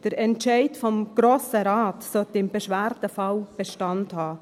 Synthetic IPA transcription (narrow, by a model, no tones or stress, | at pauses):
d̥əɾɛnt͡ʃɛɪtfɔmɡ̥ɾoːsəɾaːtsɔtɪmbeʃʋæɾdəfɑlb̥eʃtɑnthɑː